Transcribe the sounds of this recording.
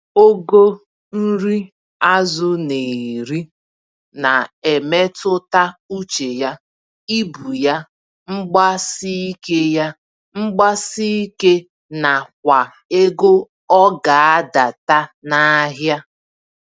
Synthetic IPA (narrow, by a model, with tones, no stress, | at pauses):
o˦ɡo˦ | n̩˦ɾi˦ | a˦zʊ˦ne˨ɾi˦ | na˨e˨me˦tʊ˦ta˦u˦t͡ʃe˨ja˦ | i˦bu˨ja˦ | ŋ͡m̩˦ɡ͡ba˦si˦i˦ke˦ja˦ | ŋ͡m̩˦ɡ͡ba˦si˦i˦ke˦ | na˨kʷa˨ | e˦ɡo˦ | ɔ˦ɡa˨a˦da˨ta˦na˦ɦja˦